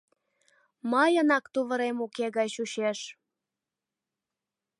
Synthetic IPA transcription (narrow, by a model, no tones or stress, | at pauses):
mɑjənɑkt̪uβəɾemukeɣɑt͡ɕuɕeʃ